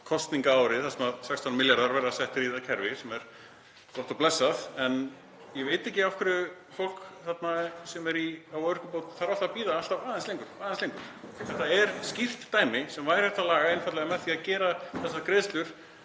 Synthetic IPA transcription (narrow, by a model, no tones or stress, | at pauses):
kʰɔst̪niŋkaaːwɾɪθasɛmaðsɛkst̪ʰawnmɪljaɾðaɾvɛɾðasɛht̪ɪɾiðacʰɛɾvɪsɛmɛɾ̥ | ɔht̪ɔplɛsːaðɛn | jɛveːjt̪ɛhcːɪafkʰvɪɾʏ | fowl̥kθat̪nasɛmɛɾiawʏr̥kʏpowt̪θaɾal̥t̪apiːðaalt̪awaːðɛnslejŋkʏɾ̥aːðɛnslejŋkʏɾ̥θɛt̪aɛɾscɪft̪ːaːjmɪsɛmvajɾ̥hɛht̪alaːɣaɪnfat̪lɪɣamɛðθiaðcɛːɾaθɛs̬ːakɾeːðst̪lʏɾ̥